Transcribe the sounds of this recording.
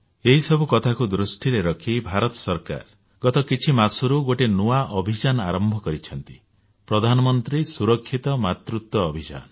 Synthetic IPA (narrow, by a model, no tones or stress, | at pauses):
eɦisɔbʱukɔt̪ʰakud̪ɾusʈiɾeɾɔkʰibʱaɾɔt̪ɔ̥sɔɾka̰ɾ | ɡ̥ɔt̪ɔkit͡ʃʰimasuɾuɡoʈenuaʔɔbʱid͡ʒanaɾɔmbʱɔkɔɾit͡ʃʰɔnt̪i | pɾɔd̪ʱanɔmɔnt̪ɾisuɾɔkʰːit̪ɔmat̪ɾut̪wɔːbʱid͡ʒa̰nɔ